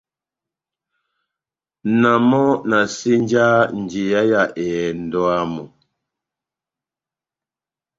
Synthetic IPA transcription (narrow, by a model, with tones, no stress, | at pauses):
na˨mɔ˦na˨si˦n˦d͡ʒaː˦n˨d͡ʒie˨ja˦ja˦˨ʔɛ˨n̩˨dɔ˦a˦mɔ˨